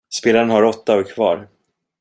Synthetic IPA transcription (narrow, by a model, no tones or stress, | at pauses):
speːlaɾənhaɾɔt̪ːaɔkʰvɑ̰ːɾ